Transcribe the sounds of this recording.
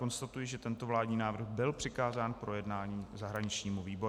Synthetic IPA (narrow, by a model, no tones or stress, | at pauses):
ko̞nst̪at̪ujɪʒɛt̪ɛnt̪ovlaːdɲiːnaːvr̩ɣbɪlpr̝̥ɪkaːzaːnpɾo̞jɛdnaːɲiːzaɦɾaɲɪt͡ʃɲiːmuviːbo̞ɾ